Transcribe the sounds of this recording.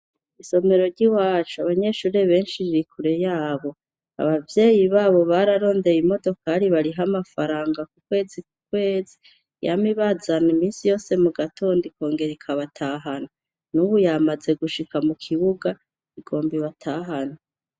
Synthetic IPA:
iso̞me̞ɾo̞ɾɟiwaːt͡ʃuaβaɲe̞ʃuːɾe̞βe̞ːnʃiɾiɾikʰuɾe̞jaːβo̞ | a̰βavje̞ːjiβaːβo̞βaɾaɾo̞ːnde̞jimo̞do̞kʰaɾiβaɾiɦamafaɾaːŋɡakukwe̞ːzikukwe̞ːzi | ja̰miβazanimiːnsijo̞ːse̞muɡatʰo̞ːndiko̞ːŋɡe̞ɾikʰaβatʰaːɦanu | nuβujamaze̞ɡuʃikamukʰiβuɡa | iɡ̥o̞ːmbiβatʰaɦanu

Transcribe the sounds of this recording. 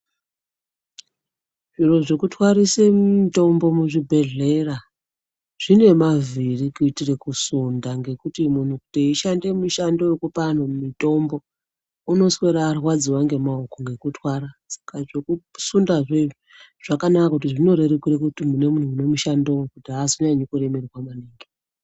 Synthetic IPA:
ʐiro̞ʐe̞kutwaɾisemmito̞mbo̞muʐibʱe̞ɮe̞ra | ʐ̥ine̞mavirikuitire̞kusundaŋɡe̞kutimun̤ukuteiʃande̞muʃandojekupan̤omumito̞mbo̞ | uno̞sweɾaːrwad͡ziwaŋɡe̞maokoŋɡe̞kutʰwaɾasḁkaʐekusundaʐeʐi | ʐ̥akanakakakutiʐino̞ɾe̞rekuɾekutimune̞mun̤uːne̞muʃandowokutiasoɲaɲekure̞me̞riwamaniːŋɡi

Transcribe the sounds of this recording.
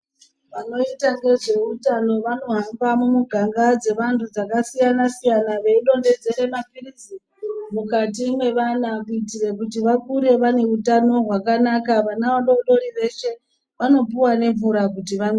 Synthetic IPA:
ʋano̞itaŋɡe̞ʐe̞utano̞ʋano̞ɦambamumuɡʱaŋɡad͡ze̞ʋantʰud͡zakasijanasijanaʋe̞iɗo̞nde̞d͡ze̞ɾemapirizi | mukatimwe̞ʋanakuitire̞kutiʋakuɾe̞ʋane̞utano̞ɦwakanakaʋanaʋaɗoɗo̞ɾiʋe̞ʃe̞ | ʋano̞p̬uwane̞ɱvuɾakutiʋan

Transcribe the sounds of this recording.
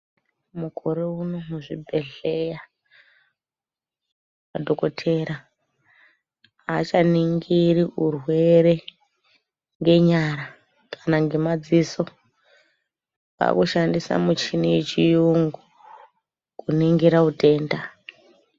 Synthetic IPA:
mukʰo̞ɾeunomuʐibʱe̞ɮeja | madʱo̞ko̞tʰe̞ɾa | at͡ʃaniŋɡiriurwe̞ɾe̞ | ŋɡe̞ɲaɾa | kʰanaŋɡe̞mad͡ziso̞ | pa̰kuʃandisa̰mut͡ʃinijet͡ʃijuŋɡu | kuniŋɡiɾautʰe̞ːnda

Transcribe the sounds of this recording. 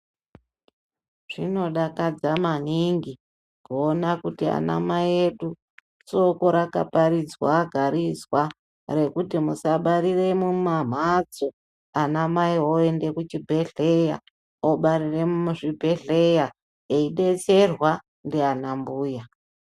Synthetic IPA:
ʐ̥ino̞ɗakad͡zamaniŋɡi | koːnakutia̰na̰majeɗu | t͡so̞koɾaka̰paɾid͡zwa̰ːɡʱaɾizwa | re̞kutimusaɓaɾire̞mumam̤ad͡zo | anamaiɦoe̞nde̞kut͡ʃibʱe̞ɮe̞ja̰ | oɓaɾire̞mumuʐibʱe̞ɮe̞ja | eiɗe̞t͡se̞rwa | ndeanambuːja

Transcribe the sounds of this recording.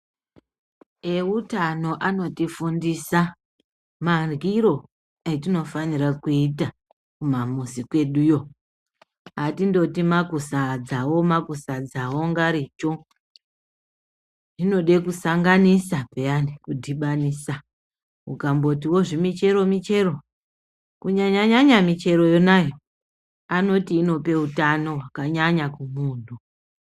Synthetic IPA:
e̞utano̞ʔano̞tifundisa | marwiɾo̞ | et̬ino̞fanirakuita | kumamusikwe̞ɗujo̞ | atindo̞timakusad͡zawo̞makusad͡zawo̞ŋɡaɾit͡ʃo | nino̞ɗe̞kusaŋɡanisapejanikudʱiɓanisa | ṵkambo̞tiwo̞ʐimit͡ʃe̞ɾo̞mit͡ʃe̞ɾo̞ | kuɲaɲaɲaɲamit͡ʃe̞ɾo̞jonajo | ano̞tiːno̞pe̞utano̞ɦwakaɲaɲakumuːn̤u

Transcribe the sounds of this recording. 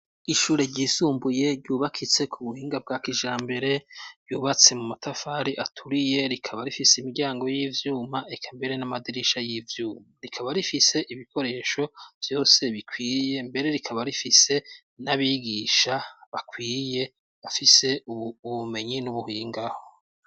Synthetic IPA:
iʃuːɾe̞ɾɟizuːmbuje̞ɾɟuːβakʰit͡se̞kʰuβuhiːŋɡab̚ɡakiʒaːmbe̞ɾe̞ɾɟuːβat͡se̞mumatʰafaɾiʔatʰuɾije̞ɾikʰaβaɾifiseimiɡɟaːŋɡo̞jiːvjuːmaekʰambe̞ɾe̞namadiɾiʃajiːvjuːmaɾikʰaβaɾifise̞ʔiβikʰo̞ɾe̞ːʃo̞v̥jo̞ːse̞βikʰwiːje̞mbe̞ɾe̞ɾikʰaβaɾifise̞ | naβiɡiʃaβakwiːje̞ | βafise̞uβume̞ɲinuβuhiːŋɡaho

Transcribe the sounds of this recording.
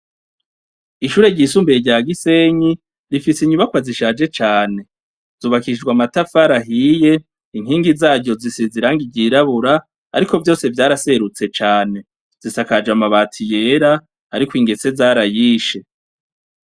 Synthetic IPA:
iʃuːɾe̞ɟisuːmbeɟaːɡise̞ɲi | ɾifisiɲuβakwaziʃaːd͡ʒe̞t͡ʃaːne̞ | z̥uːβakid͡ʒɡwamatafaɾaɦije̞ | iŋ̥hiːŋɡizaːɾɟo̞zisiziɾaːŋɡiɟiːɾaβuɾa̰ː | ɾiko̞vjo̞ːse̞vjaːɾase̞ɾut͡se̞t͡ʃaːne̞ | z̥isakad͡ʒamaβaːtʰije̞ɾa | aɾikwiːŋɡe̞t͡se̞zaːɾajiːʃe̞

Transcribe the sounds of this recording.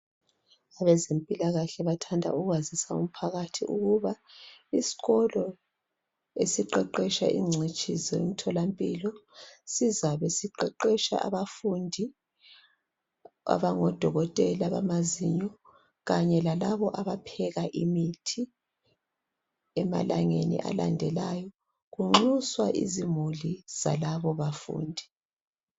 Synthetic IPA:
aβɛzempʼilaɣaɬɛβatʰandʱa̰uɣwazisaṵm̩pʰaɣatʰḭʔṵɣuβaisi̥ɣɔlɔ | esiǃɛǃɛʃa̰ʔḭŋ͡ǀʱit͡ʃʼizɔim̩tʰɔlampʼilɔsizaβesiǃɛǃɛʃa̰ʔa̰βafundʱi | a̰βaŋɔd̥ʱɔɣɔtʼɛlaβa̰maziɲɔ | ɣaɲɛlalaβɔʔaβapʰɛɣaʔimitʰi | ɛma̰laŋenḭʔa̰la̰ndʱɛlajɔ | ɣuŋ͡ǁuswaʔḭzimuliz̥a̰laβɔβafṵːndʱi

